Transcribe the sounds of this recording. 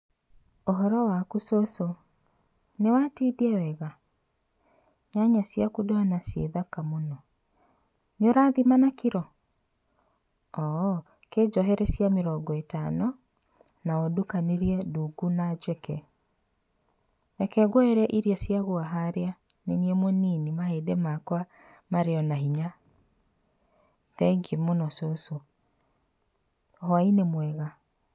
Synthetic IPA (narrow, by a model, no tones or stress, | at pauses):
oɦɔɾɔwakusoso | newatidiɛwɛɣa | ɲaɲasjakudoanasḛðakamonɔ | neoɾaːðimanakiɾɔ | ɔ | ked͡ʒɔɦɛɾɛsjameɾɔŋɡɔetanɔ | naɔdukaneɾiɛduɡunad͡ʒɛkɛ | nɛkɛɣoeɾɛʔiɾiasjaɣoaɦaɾea | neniɛmoninimaedemakwa | maɾeɔnaɦiɲa | ðɛɡemonɔsoso | hɔainemwɛɣa